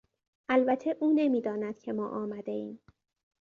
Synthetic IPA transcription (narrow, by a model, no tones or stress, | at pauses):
ʔælbæt̪ʰe̞ʔuːne̞miːd̪ɒːnæd̪̥̚kcʰe̞mɒ̰ːʔɒːmæd̪e̞iːm